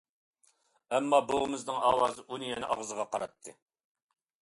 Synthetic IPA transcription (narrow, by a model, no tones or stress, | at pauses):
ɛmːɑbolmɨznɨŋɑːwɑːzɨʔunijɛnɪʔɑʁzəʁɑqɑɾɑt̪ʰːɨ